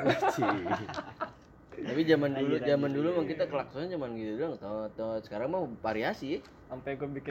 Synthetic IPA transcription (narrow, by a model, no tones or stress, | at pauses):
t̪apid͡ʒamandulud͡ʒamandulumaŋkit̪akəlaksuad͡ʒamanɡit̪uduaŋt̪at̪asə̥kaɾaŋmapaɾiasi | ampɛɡabikɪ